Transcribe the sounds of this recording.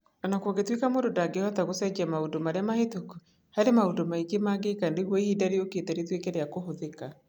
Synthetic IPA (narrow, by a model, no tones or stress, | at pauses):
ɔnakwoɡetwekamoːdodaɡeɔtaɣosɛd͡ʒɛmaodomaɾeamahetoku̥ | haɾemaodomaiɡemaːɡekandeɣwɔiidaɾeoketɛɾitwekɛɾeakoɦoðeka